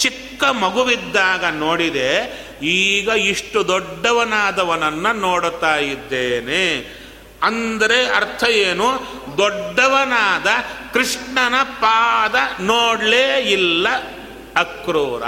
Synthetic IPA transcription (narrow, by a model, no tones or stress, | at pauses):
t͡ʃikːɐmɐɡuʋid̪ːaːɡɐnoːɽid̪e | iːɡɐiʂʈud̪ɔɖːɐʋɐnaːd̪ɐʋɐnɐnːunoːɽut̪aːjid̪ːeːne | ɐnd̪ɐɾeɐ̰ɾt̪ʰɐjeːnu | d̪ɔɖːɐʋɐnaːd̪ɐkɾiʂɳɐnɐpaːd̪ɐnoːɽleːilːɐ | ɐkɾuːɾɐ̰